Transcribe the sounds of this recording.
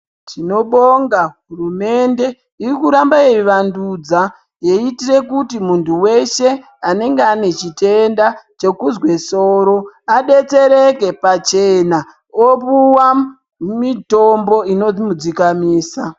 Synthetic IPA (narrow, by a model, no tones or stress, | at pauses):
tʰino̞ɓoŋɡaɦurume̞nde̞ | irikuɾambajeiʋandud͡za | je̞itire̞kutimuntʰuwe̞ʃe̞ | ane̞ŋɡeane̞t͡ʃite̞ndat͡ʃe̞kuzwe̞so̞ːɾo̞aɗe̞t͡se̞ɾe̞ke̞pat͡ʃe̞na | opuwa | mito̞mbo̞ino̞d͡zimud͡zikamiːsa